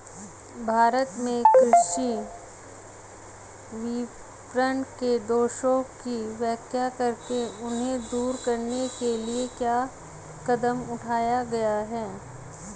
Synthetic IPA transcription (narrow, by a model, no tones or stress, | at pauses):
bʱaːɾət̪mẽkɾʊʃi | ʋi | pɾəɳɖked̪oːʃõkiʋɛːkʰjakɐɾkeʊnɦẽd̪uːɾkɐɾnekeliekjaː | kɐd̪əmʊʈʰaːjaɡɐjaɦɛː